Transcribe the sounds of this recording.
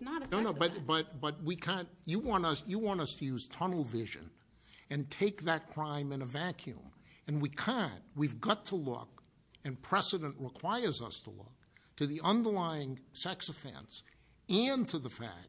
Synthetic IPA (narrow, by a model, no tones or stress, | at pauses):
nəɾnoʊnoʊbʌb̥ʌt̚b̥ʌt̚wikʰæ̃nɨwɑ̃nʌsjɨwɑ̃ntʌstʰɨjʉz̥tʰʌnl̩ˠvɪʒɨ̰̃n | ɨ̃ntʰeɪk̚ðɨt̚kʰɹ̥ãɪ̃mɨ̃nɨvækʰjʉ̰̃mɨ̃nwikʰæ̃ntwivɡɑtʰəlʊ̰k | ɨ̃npʰɹ̥ɛsɨɾɨ̃nʔɹəkʰw̥aɪə˞zʌ̰stʰə̰lʊ̰k̚tʰɨðiʌ̃ndə˞laɪɪ̃ŋsɛksɨfɛ̰̃ns | ɨ̃ntʰɨðəfæ̰k̚